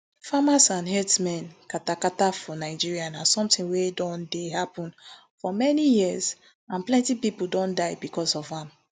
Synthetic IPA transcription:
famasãnɦɛdsmɛ̃nkatakatafɔnaɪd͡ʒiɹianasɔ̃mtĩŋwedɔ̃ndeɦapɔ̃n | fɔmɛnijiəz | ãnplɛ̃ntipipuldɔ̃ndaɪbikɔsɔvãm

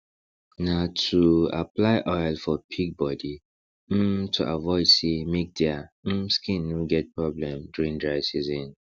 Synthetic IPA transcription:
natʰua̰plaɪʔɔjlfɔpʰiɡ̚bɔdi | m̩tʰuʔavɔɪdsemik̚dɛam̩skĩnːoɡɛt̚pʰɹɔblɛ̃mduɹĩŋdɹaɪsizɔ̃n

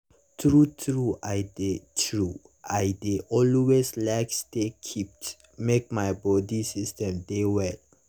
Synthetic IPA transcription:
tɹutʰɹuʔajdetʰɹu | ajdeʔɔlweslaɪkstekʰip̚t | mek̚majbɔdisistɛ̃mdewɛl

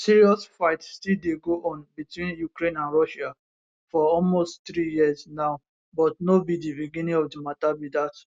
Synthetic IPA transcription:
siɹiɔsfaɪtstildeɡoʔɔ̃nbitwĩnjukɹẽnãnɹɔʃa | fɔɔlmostt̪ɹijiəsnaʊ | bɔt̚nobidibiɡĩnĩŋɔfdimatabidat

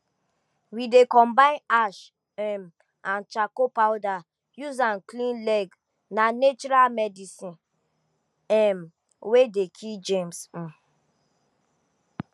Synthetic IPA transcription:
widekɔ̃mbãɪ̃naʃ | ɛm | ãnt͡ʃakopawda | juzãnklĩnlɛɡ | nanet͡ʃɔɾalmɛdisĩn | ɛm | wedekʰild͡ʒẽms̩

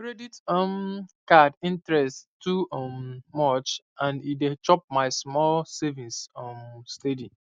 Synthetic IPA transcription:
kɹeditɔmkadĩntɹɛsttuɔmːɔt͡ʃ | ãnidet͡ʃɔp̚maɪsmɔlsɛvĩnsɔmstedi

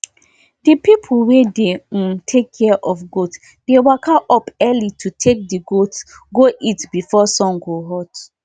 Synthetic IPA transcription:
dipipʰl̩wedẽtʰekʰːɛʔɔfɡot | d̥ewakʰaʔɔpɛlitʰutʰek̚diɡot | ɡoʔitbifɔsɔ̃ŋɡoɦɔt

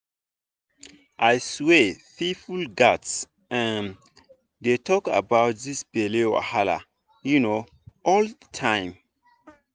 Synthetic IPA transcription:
ʔajswefifulɡats | ə̃n | detʰɔka̰baʊt̚ðisb̥elea̰hala̰ | juno | ʔɔlətʰãɪ̃m

